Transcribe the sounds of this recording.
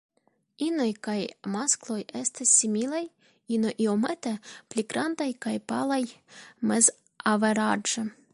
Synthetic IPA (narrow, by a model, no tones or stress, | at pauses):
inojkajmasklo̞jest̪asːimilaj | inojʔiomet̪epliɡɾandajkajpalajmez | aveɾad͡ʒe